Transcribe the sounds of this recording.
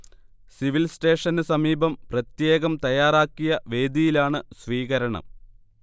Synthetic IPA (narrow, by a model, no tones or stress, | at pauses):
siʋilsʈe̞ːʂɐnɨsɐmiːbɐmprɐt̪je̞ːɣɐmt̪ɐjaːraːkːijɐʋe̞ːd̪ijilaːɳɨsʋiːɣɐɾɐɳɐ̰m